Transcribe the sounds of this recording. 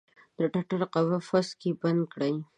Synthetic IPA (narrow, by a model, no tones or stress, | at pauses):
d̪̥əʈaʈaɾqawafaskeband̪̚kɽaj